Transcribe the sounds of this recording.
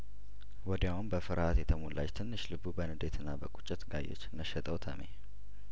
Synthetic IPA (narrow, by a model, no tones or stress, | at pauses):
wɔd̪jawunbəfɨɾat̪jɛt̪ʰəmolːʔa̰t͡ʃt̪ʰɨnːɨʃlɨbubənɨd̪et̪ʰɨnːabəkʼut͡ʃʼːɪt̪ɡajːo̰t͡ʃːnəʃɛt̪ʼəwt̪ʰəmḛ